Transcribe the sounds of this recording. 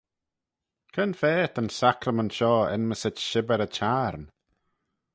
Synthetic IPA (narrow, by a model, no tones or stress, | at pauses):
kʰənfɛːt̪ənsakɾəməntʃɔːɪ̰nməsətʃɪbəɾət͡ʃʰaːɾn